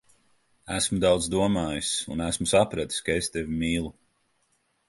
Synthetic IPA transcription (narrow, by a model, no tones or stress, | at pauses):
æsmud̪awd̪zd̪uɔmaːjisunæsmusapɾat̪i̥sʲkaest̪evimiːlˠu